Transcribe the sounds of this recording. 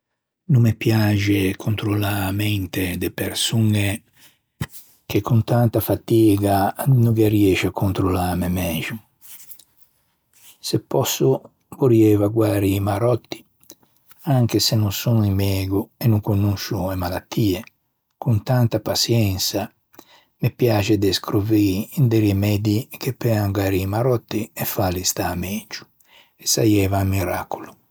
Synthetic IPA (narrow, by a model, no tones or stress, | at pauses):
numːepjad͡ʒekʰunt̪ɾolamɛnt̪ed̪epeɾsune | k̟ekʰːunt̪ant̪afat̪iːɡanuɡeriɛːʃakʰːunt̪ɾolamemɛːʒu | sepːɔsːʊ | voɾjɛvaɡwaːɾimaɾɔt̪ːi̥ | aŋk̟esenːunsunuimɛːɡuɛnːuŋkonːuʃuɛmalat̪ːiːɛ | kunt̪ant̪apasjɛnsa | mɪpjaːt͡ʃɛd̪ɛskɾoviːnd̪ɛɾimɛd̪ik̟epːɛaŋɡwaːɾimaɾɔt̪ːiɛfːalist̪aːmɛːd͡ʒu̥ | ɛsːajɛːvamiɾa̰ːkulu